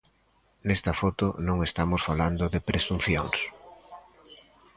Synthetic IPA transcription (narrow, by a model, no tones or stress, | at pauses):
nest̪ɐfɔt̪onõŋest̪amosfaland̪ʊðepɾesun̟θjoŋs